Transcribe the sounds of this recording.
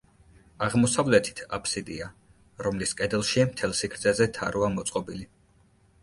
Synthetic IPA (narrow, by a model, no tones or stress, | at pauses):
aʁmɔsavlɛt̪ʰi̥t̪ʰa̰pʰsid̪ia | ɾɔmliskʼɛd̪ɛlˠʃimt̪ʰɛlˠsikʰɾt̪ʰɛzɛt̪ʰa̰ɾuamɔt̪sʼqʼɔbili